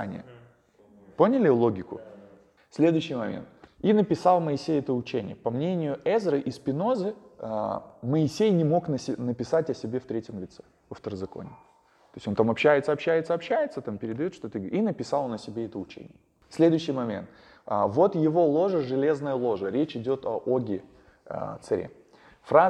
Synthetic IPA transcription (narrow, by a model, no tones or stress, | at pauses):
nʲɪ̰jə̰ | po̞nʲɪlʲɪlˠo̞ɡʲɪkʊ̰ | sʲlʲe̞d̪ʊjʊɕːɪjmɐmʲḛnt̪inəpʲɪsɑlˠməɪsʲejɛt̪əʊt͡ɕenʲɪ̰jəpɐmnʲenʲɪjʊɛzɾəʔispʲɪno̞zɨ | məɪsʲejnʲɪmo̞knəsʲɪnəpʲɪsatʲɐsʲɪbʲe̞ft̪ɾʲetʲɪmlʲɪt̪sɛ | vɐft̪əɾəzɐko̰nʲɪ | t̪o̞sʲo̞nt̪amɐpɕːæjɪt̪səɐpɕːæjɪt̪səɐpɕːæjɪt̪sət̪ampʲɪɾʲɪd̪ɐjot̪ʂt̪ot̪ɨɡinəpʲɪsɑlˠonɐsʲɪbʲeɛt̪əʊt͡ɕḛnʲɪjə | sʲlʲe̞d̪ʊjʊɕːijmɐmʲe̞̰nt̪ | vo̞t̪jɪvo̞lˠo̞ʐəʐɨlʲe̞znəjəlˠo̞ʐəɾʲet͡ɕɪdʲo̞t̪ɐʔoɡʲɪ̰ | t̪sɐɾʲḛ | fɾa